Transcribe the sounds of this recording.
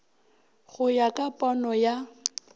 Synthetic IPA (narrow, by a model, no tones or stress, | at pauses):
ɣʊjakʼapʼɔnɔja